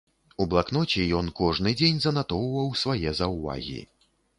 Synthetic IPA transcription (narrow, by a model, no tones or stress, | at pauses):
ublˠaknɔt͡sʲijɔnkɔʐnɨd͡zʲenʲzɐnat̪ɔwvɐwsvajɛzɐwva̰ɣʲḭ